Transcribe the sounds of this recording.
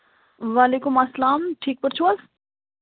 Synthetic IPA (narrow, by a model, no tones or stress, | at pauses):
ʋaːleːkʊmɐsːɐlaːmʈʰiːk̚pɐɾt͡ʃʰuɐs